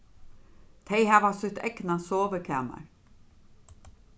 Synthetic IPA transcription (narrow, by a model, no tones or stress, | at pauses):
t̪ʰeɪhæːʋɑsʏt̪ɛ̰knɑsoːʋəkʰæ̰ːmɑ̰ɹ